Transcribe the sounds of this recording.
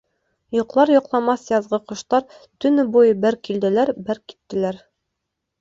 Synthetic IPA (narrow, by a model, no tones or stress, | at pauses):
jŏqlˠɑɾjŏqlˠɑmɑsjɑzʁɤqŏʃt̪ɑɾt̪ɵ̆nɘbujɤbæɾkild̪ɘ̆læɾbæɾki̥t̪ːɘ̆læɾ